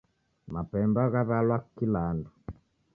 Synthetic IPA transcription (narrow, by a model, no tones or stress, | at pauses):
mapɛmbaɣaβalwakilandu